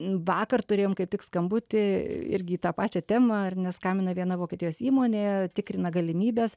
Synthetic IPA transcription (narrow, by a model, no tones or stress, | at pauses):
ʋɑːkɐrt̪ʊɾʲeːjoːmkɐɪp̚t̪ʲɪkskɐmbʊt̪ʲɪɪ̰ɾʲɡʲɪiːt̪ɑːpɑːt͡ʃʲɛt̪ʲæːmɐɐrnʲɛskɑːmʲɪnɐʋʲiɛnɐʋoːkʲɛt̪ʲɪjoːsiːmoːnʲeːt̪ʲɪkɾʲɪnɐɡɐlʲɪmʲiːbʲeːs